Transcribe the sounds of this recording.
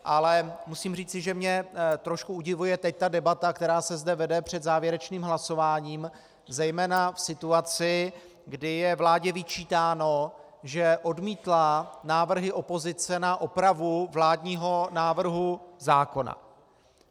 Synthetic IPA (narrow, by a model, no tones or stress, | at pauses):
ʔalɛmusiːmriːt͡sɪʒɛmɲɛt̪ɾo̞ʃkuuɟɪvujɛt̪ɛc̚t̪adɛbat̪akt̪ɛɾaːsɛzdɛvɛdɛpr̝̥ɛd̪zaːvjɛɾɛt͡ʃniːmɦlaso̞vaːɲiːm | zɛjmɛːnafsɪt̪uat͡sɪ | ɡdɪjɛvlaːɟɛvɪt͡ʃiːt̪aːno̞ | ʒɛʔo̞dmiːt̪lanaːvr̩ɦɪʔo̞pozɪt͡sɛnaʔopɾavuvlaːdɲiːɦo̞naːvr̩ɦuzaːko̞na̰